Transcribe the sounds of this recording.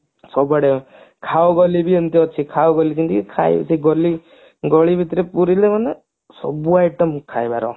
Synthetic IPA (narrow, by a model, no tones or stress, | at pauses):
sɔbəɽe | kʰawɡɔlibʱiənt̪iɔt͡ʃʰikʰaoɡɔlit͡ʃint̪ikkʰaj̰siɡɔli | ɡɔɭibʱit̪ɾepuɾilemənə | sɔ̰buajʈəmkʰaːjbaɾɔ̰